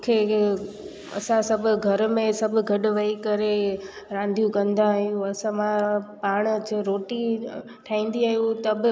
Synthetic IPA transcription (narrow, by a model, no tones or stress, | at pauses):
kʰeː | ɐ̰sãsɐbʱʊ̆ɡʱɐɾmẽsɐbʱʊ̆ɡʱɐɗʊʋɐikɐɾe | ɾãːnd̪ʱijũkɐ̃nd̪ãɦijũɐsãmãpaːɽ̃d͡ʑeɾoːʈi | ʈʰaːĩːn̆d̪iaːɦijũt̪ɐbɪ